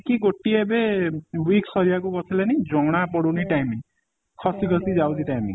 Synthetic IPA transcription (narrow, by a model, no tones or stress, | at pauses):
kiɡoʈiebewiksɔɾijakukɔt͡ʃʰilenid͡ʒɔɽ̃apɔɽuniʈajmiŋ | kʰɔsikʰɔsid͡ʒawt̪iʈajmḭŋ